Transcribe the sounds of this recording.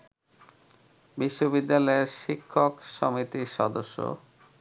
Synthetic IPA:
biʃːobid̪ːalɔeɾʃikʰːokʃomit̪iʃɔd̪oʃːo̰

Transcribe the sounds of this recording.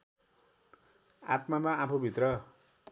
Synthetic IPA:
a̰t̪mamaãpʰobʱit̪rʌ

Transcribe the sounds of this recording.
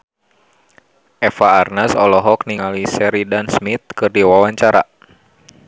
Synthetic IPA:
ʔɛfaːrnəsɔlɔɦɔk̚niŋalisɛɾidansmit̪̚kɨrdiwawaɲt͡ʃaɾa̰

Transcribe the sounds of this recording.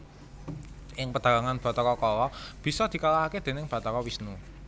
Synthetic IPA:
ʔɪŋpəd̪̥a̤ɡaŋanb̥a̤t̪ɔkɔkɔlɔb̥i̤sɔd̪̥i̤kalaaked̪̥e̤nɪŋb̥a̤t̪ɔkɔwisnu

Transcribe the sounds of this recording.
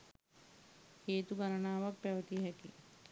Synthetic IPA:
heːt̪uɡaɾənaːʋak̚pæʋət̪iɦɛkḭ

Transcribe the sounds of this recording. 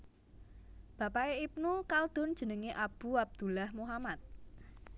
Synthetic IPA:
b̥ä̤paeip̚nukald̪̥ʊ̤nd̥ʒ̥ə̤nəŋeʔab̥ṳab̚d̪̥ṳlahmuɦamat̪̚

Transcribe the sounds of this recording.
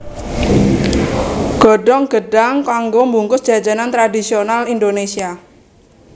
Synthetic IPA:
ɡ̥ɔ̤ɖɔŋɡ̥əɖaŋkaŋɡombuŋkʊsdʒ̥a̤̥d͡ʒa̤nant̪ɾadisionalindonesia

